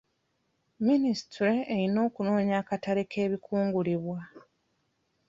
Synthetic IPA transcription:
minisitɾeejino̞ːkuno̞ːɲaːkataɾekʰe̞ːβikʰuːŋɡuliβwa

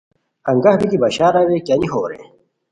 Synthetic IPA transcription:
ɐŋɡɐhbik̪ibɐɕaːɾawekaniɦoːɾḛ

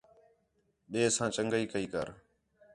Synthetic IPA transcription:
ɓeːsãːt͡ʃəŋɡəiːkəiːkə̰ɾ

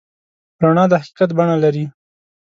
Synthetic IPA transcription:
bɾaɳɑd̪əhaqi̥qat̪baɳalaɾi

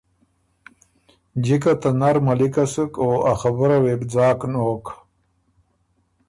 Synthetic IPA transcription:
d͡ʑikat̪anaɾmalikasɨkoːaxabəɾawebd͡zɑːknoːk

